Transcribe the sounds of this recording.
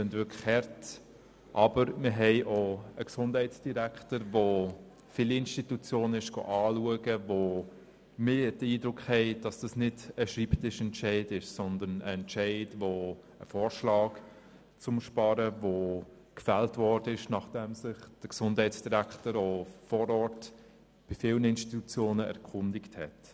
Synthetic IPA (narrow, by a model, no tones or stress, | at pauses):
sɪndvɪkʰχhɛɾt | ʔɑbəɾmɪɾɦɛɪʔoəksʊnd̥hɛɪtt͡sd̥iɾæktəɾvo | filɪnʃtitut͡sjoːnɪʃɡ̥o̰ʔɑːluəɡəvo | mɪd̥əiːdɾʊkχhɛɪd̥ɑsd̥ɑsnɪdəʃɾiːptɪʃɛntʃɛɪdɪʃsɔndənəɛntʃɛɪdvo | ə̰fɔːɾʃlɑːk | t͡sʊmʃpɑɾəvo | kfæltvɔɾdəɪʃnɑχd̥ɛmsɪχd̥əksʊndhɛɪt͡sd̥iɾæktəɾofɔːɾɔɾt | b̥ɪfɪlnəɪnʃtitut͡sjoːnəɛ̰ɾkʰʊndɪkthɛ̰t